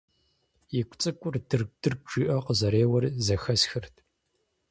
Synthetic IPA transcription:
jɪkʷʰʼt͡sʼɨkʷʼʊrdɨrd̥ɨrʒiːʔɐqəzɐɾeːwɐrzɐxɐsxɨrtʰ

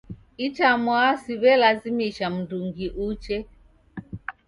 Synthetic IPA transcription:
it͡ʃamwasiβɛlazimiʃam̩duŋɡiʔut͡ʃɛ

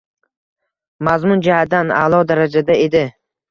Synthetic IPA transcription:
mazmʊnd͡ʒahad̪ana̰lˠɒd̪aɾad͡ʒad̪ae̞d̪ɪ

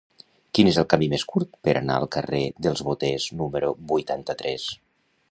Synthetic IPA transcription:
kinezəlˠkamimeskuɾt̪̚pəɾʔa̰na̰ə̰lˠkəreðəlˠzβot̪eznuməɾubujt̪ant̪ət̪ɾɛs

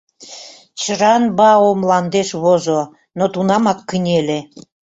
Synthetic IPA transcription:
t͡ɕəɾɑnbɑomlɑnd̪eʃβozo | not̪unɑmɑkːənʲele

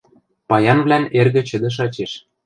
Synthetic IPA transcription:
pɑjɑnβlænerɣɘ̆t͡ɕɘ̆d̪ɘ̆ʃ̬ɑt͡ɕeʃ

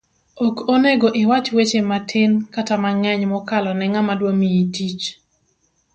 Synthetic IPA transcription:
okoneɡoʔɪwat͡ʃwet͡ʃematʰɪnkatamaŋɛɲmɔkalɔnɛŋamadwomijitit͡ʃ

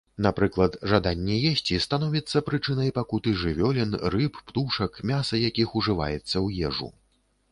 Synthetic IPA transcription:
napɾɨklˠɐt̪ʐad̪anʲːɛjɛsʲt͡sʲist̪an̪ɔvʲit̪sːɐpɾɨt͡ʂɨnɐjpakut̪ɨʐɨvʲɔlʲinrɨppt̪uʂɐkmʲasɐjakʲixuʐɨva̰jɛt̪sːɐwjɛʐṵ

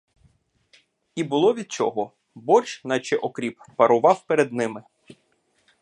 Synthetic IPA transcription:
ibʊlˠɔʋʲid̪̚t͡ʃɔ̰ɦɔ | bɔrt͡ʃnɐt͡ʃɛɪʔɔkɾʲipːɐɾʊʋɑwpeɾed̪nɪmɪ

